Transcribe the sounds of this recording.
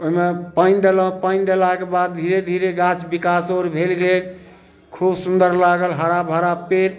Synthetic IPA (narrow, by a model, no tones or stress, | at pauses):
oɦimepaɪnd̪elə̃pand̪elakebad̪̚d̪ʱiɾed̪ʱiɾeɡat͡ʃbikasoɾbʱelɡel | kʰubsund̪əɾlaɡəlɦəɾabʱəɾapeɾ